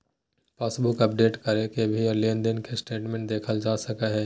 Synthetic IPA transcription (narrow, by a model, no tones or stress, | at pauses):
paːsbʊkɐp̚ɖeːʈkɐɾekebʱiɔːɾlend̪ənkesʈeːʈmẽːɳʈd̪eːkʰəld͡ʒaːsɐkaɦɛː